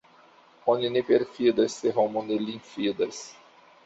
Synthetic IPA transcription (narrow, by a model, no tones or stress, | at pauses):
õninipeɾfid̪ɐseɦõmõnelĩfid̪ɐs